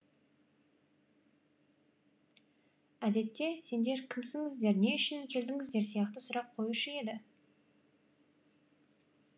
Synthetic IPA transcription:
æd̪e̞t̪ːe̞se̞nd̪e̞ɾkʲʰɪmsɪŋɪzd̪e̞ɾne̞ʏʃɪnɪŋkʲʰe̞ld̪ɪŋɪzd̪eɾsijɑqt̪əsʊɾɑq̚qʰo̞juʃəe̞d̪ɪ

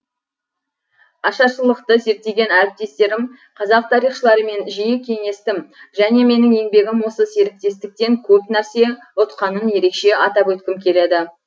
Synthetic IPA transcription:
ɑʃɑʃəlˠəqt̪əze̞ɾk̚t̪e̞ɡʲe̞næɾɪp̚t̪e̞st̪e̞ɾɪm | qʰɑzɑq̚t̪ʰɑɾijχʃəlˠɑɾəme̞nʒijɪkʲʰe̞ŋe̞st̪ɪmʒæne̞me̞nɪŋe̞ŋbe̞ɡʲɪmwo̞səse̞ɾɪk̚t̪e̞st̪ɪk̚t̪e̞ŋkʲʰɵpnæɾse̞ | ʊt̪qɑnənje̞ɾe̞kʃe̞ɑt̪ɑpwɵt̪kʲɪmkʲʰe̞le̞d̪ɪ

